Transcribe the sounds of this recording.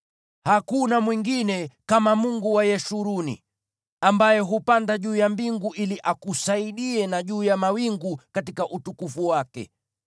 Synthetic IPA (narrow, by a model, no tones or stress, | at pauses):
hakunamwiŋɡinɛkamamuŋɡuwajɛʃuɾunḭ | ambajɛɦupandaʄuːjambiŋɡuʔiliʔakusaiɗiɛnaʄuːjamawiŋɡukatikaʔutukufuwakɛ̰